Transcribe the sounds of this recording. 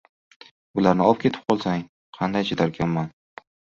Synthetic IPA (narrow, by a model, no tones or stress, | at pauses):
ʊlaɾnɪɒp̚kʲʰe̞t̪ʰɪ̥p̚qʰɒlˠsaŋ | qʰɑnd̪ajt͡ʃʰad̪aɾɡʲʰanman